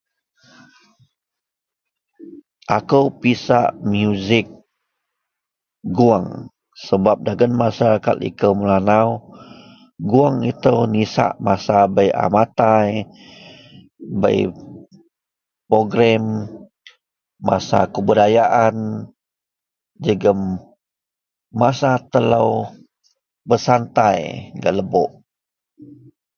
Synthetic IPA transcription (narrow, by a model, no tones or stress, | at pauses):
ʔakəwpisa̰ʔmjuzɪk̚ | ɡuaŋ | səbap̚daɡanmasaɾakat̪ḭkəwməlanaw | ɡuaŋit̪əwnisa̰ʔmasabəja̰mat̪aj | bə̰j | pɾoɡɾam | ma̰sa̰kəbudajaʔan | d͡ʒəɡəm | asat̪əlaw | bəsant̪ajɡa̰ʔləbo̰ʔ